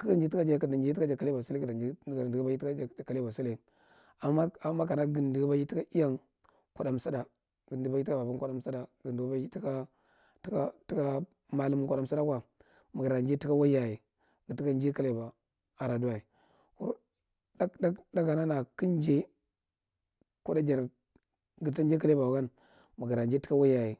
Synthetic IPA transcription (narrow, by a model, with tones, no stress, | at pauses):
ki˦kd͡ʒi˦ti˦ka˦d͡ʒa˦ka˨da˨nd͡ʒi˦a˦d͡ʒa˨ka˦le˦ba˨su˦lka˨da˨d͡ʒi˦˨di˨ɡa˦ji˦i˦ka˦˨ka˦le˦ba˨su˦le˦˨˦ | a˨ma˦a˨˦ma˦ka˨na˦ɡi˨ndi˨˦ba˦ji˦ti˦ka˦i˦ja˦ŋ | kʷa˨da˨m˨sa˦da˨ | ɡi˨ndi˨ba˦i˦i˦ka˦ba˨ba˦kʷa˦da˦msa˦da˨ɡi˨ndu˨ɡba˦ji˦ti˦ka˦ | ti˦ka˦ti˦ka˦ | ma˦li˦m˦kʷa˨da˦msa˦da˦kwa˨ | m˨ɡa˨ɾa˨nd͡ʒe˦ti˦ka˦wa˦ja˨je˨ | ɡi˨ti˦ka˦n˦d͡ʒe˦ka˦le˨ba˨ | a˨ɾa˨du˦wa˨i˨ | kṵ˦ | a˦a˦da˦ɡa˨na˦na˨ki˦n˦d͡ʒe˦ | ku˦da˦d͡ʒa˨ɾ | ɡta˦d͡ʒe˦ka˦le˦ba˨ka˦n | ma˨ɡa˨ɾa˨nd͡ʒe˦ti˦ka˦wa˦ja˨ji˨